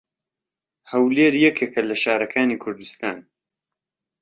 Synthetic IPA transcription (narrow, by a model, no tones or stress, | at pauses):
hɐwleːɾjɛkʰekɐlɐʃaːɾɐkʰaːniːkʰʊɾd̪ust̪aːn